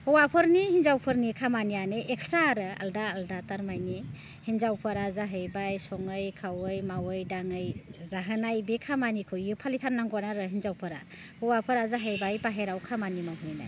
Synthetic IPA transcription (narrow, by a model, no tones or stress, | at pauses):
hɯwapʰɯɾnihinzawpʰɯɾnikʰamanianɯʔekstɾaɾɯa̰ldaːldataɾmajni | hinzawpʰɯɾazaɦɯjbajsɔŋɯjkʰawɯjmawɯjdaŋɯjzaɦɯnajbekʰamanikʰɯjɯpʰalitʰanːaŋɡanaɾɯɦinzawpʰɯɾa̰ | hɯwapʰɯɾazaɦɯjbajpaɦeɾawkʰamanimawɦɯjna̰j